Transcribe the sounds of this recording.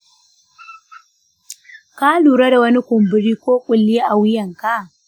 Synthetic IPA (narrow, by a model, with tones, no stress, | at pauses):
ka˦luː˨ɾa˦da˨wɐ˦ni˦kʷʊ˨mbʊ˨ɾiː˦kʷoː˦kʷʼʊ˨lːɪ˦a˦ʔa˨wɪ˦jɐ˨ŋka˦˨